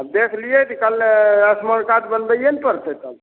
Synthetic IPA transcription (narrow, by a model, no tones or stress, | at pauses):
ab̚d̪ekʰlijet̪ikəlːeəsməɾkat̪bənbəjenipəɾt̪et̪əb